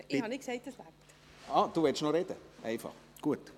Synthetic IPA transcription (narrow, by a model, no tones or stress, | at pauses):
ɪhɑnɪksæɪt̚əslap̚t | ɑːd̪̥uːʋɛʃnoɾed̥əʔæɪfɑ̰χ | ɡ̥uət